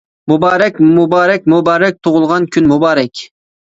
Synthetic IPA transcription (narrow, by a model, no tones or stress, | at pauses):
mubɑːɾɛkʲmubɑːɾɛk̚ʲmubɑːɾɛk̚ʲt̪ʰoʁʊlˠʁɑnkʲʰynmubɑːɾɛkʲ